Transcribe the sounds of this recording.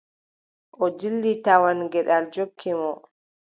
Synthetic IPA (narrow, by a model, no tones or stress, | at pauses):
ʔɔd͡ʒilːitawanɡɛɗald͡ʒokʰːimɔ